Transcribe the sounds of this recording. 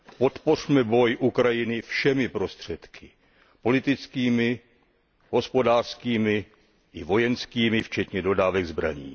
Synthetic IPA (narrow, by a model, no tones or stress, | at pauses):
po̞t̪po̞r̝mɛbo̞jʔukɾajɪnɪfʃɛmɪpɾo̞st̪r̝̥ɛt̪kʰɪ | po̞lɪt̪ɪt͡skiːmɪ | ɦo̞spo̞daːr̥skiːmɪ | ʔɪvo̞jɛnskiːmɪft͡ʃɛt̪ɲɛdo̞daːvɛɡzbɾa̰ɲḭː